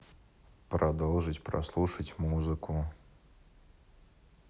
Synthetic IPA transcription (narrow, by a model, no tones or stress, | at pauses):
pɾʔɐd̪olˠʐɨtʲpɾɐ̰slˠuʂətʲmuzɨkʊ